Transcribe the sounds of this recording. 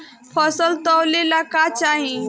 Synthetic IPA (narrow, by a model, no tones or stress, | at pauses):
pʰəsəlt̪ɔwlelakat͡ʃaːɦĩ